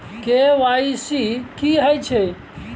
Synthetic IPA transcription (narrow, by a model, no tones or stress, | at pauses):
keʋaisikiɦəjt͡ʃʰe